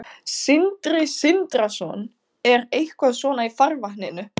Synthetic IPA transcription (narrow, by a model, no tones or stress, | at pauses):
sɪnt̪ɾɪsɪnt̪ɾasɔn | ɛɾejhkvaðsvɔːnaifaɾvahnɪnʏ